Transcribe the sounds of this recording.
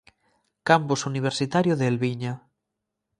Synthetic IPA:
kampusuniβ̞eɾsit̪aɾjoðeelβiɲa

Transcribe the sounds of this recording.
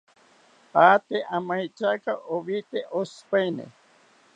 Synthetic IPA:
at̪eʔamajt͡ʃakaʔoβit̪eʔospajnḛ

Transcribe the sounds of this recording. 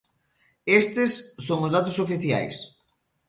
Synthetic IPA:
est̪ɪsːoŋʊzðat̪osofiθja̰js

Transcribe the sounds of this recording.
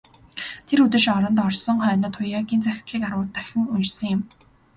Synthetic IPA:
t̪ʰeɾut̪ɘ̆ʃɔɾɞ̆nt̪ɔrsɞ̆ŋχœːnɞ̆ːt̪ʰʊjaːɣʲiːnt͡sʰæxʲɪ̥̆t̪ɮiːkaɾwʊːt̪ːœxʲɪ̆ŋunt͡ɕsɞ̆ŋjɪm

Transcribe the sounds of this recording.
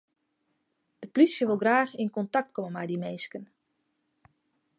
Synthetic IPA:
d̥əplisjəʋolˠɡraːxinkɔntɑk̚tkɔməmɛjdimenskən

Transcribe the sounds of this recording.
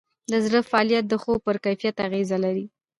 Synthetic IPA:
d̪əzɽəfaɑlijat̪̚d̪əxopəɾkajfijat̪aɣezalaɾi

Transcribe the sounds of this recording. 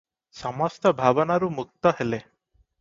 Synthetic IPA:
sɔmɔst̪ɔbʱabɔnaɾumuk̚t̪ɔɦele

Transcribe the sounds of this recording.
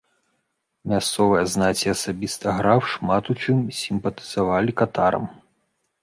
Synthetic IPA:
mʲast̪sɔvɨjɐznat͡sʲiasabʲist̪ɐɣɾawʂmat̪ut͡ʂɨmsʲimpɐt̪ɨ̥z̥avalʲikat̪aɾɐ̰m

